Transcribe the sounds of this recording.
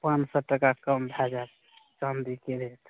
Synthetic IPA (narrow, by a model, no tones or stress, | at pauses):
pãnsɔʈəkakəmbʱad͡ʒa | t͡ʃand̪ikeɾet̪